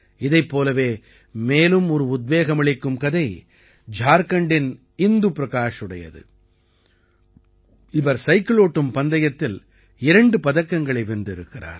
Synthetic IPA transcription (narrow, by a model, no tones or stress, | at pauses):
ɪðɐɪpːoːlɐʋeː | meːlɯmɔɾɯʊd̪̚ʋeːɣɐmɐɭɪkːɯmkɐðɐɪ | d͡ʒaːɾkɐɳɖɪn | ɪnd̪ɯpɾɐkaːʂɯɽɐjɐ̰ðɯ̰ | ɪʋɐɾsɐɪkɪɭoːʈːɯmpɐnd̪ɐjɐt̪ːɪl | ɪɾɐɳɖɯpɐðɐkːɐŋɡɐɭɐɪʋɪnd̪ɪɾɯkːɪra̰ːɾ